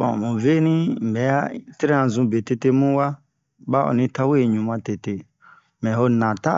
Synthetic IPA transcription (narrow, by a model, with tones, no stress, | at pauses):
fɔ̃˨mũ˨ve˦nĩ˦m̩˨bɛ˨˦a˦te˦ɾe˦ã˨zũ˧be˨te˧te˦mũ˦wa˦ | ba˦ɔ̰˨nĩ˦ta˦we˦˨ɲũ˨mã˦te˨te˧ | mɛ̃˨ho˦nã˨ta̰˦